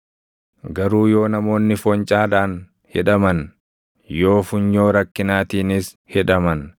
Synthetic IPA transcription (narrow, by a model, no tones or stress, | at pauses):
ɡɐɾuːjo̞ːnɐmo̞ːnːɪfɔnt͡ʃʼaːᶑ̪aːn | hɛᶑɐmɐn | joːfʊɲːo̞ːɾɐkːɪnaːt̪iːnɪs | hɛᶑɐmɐn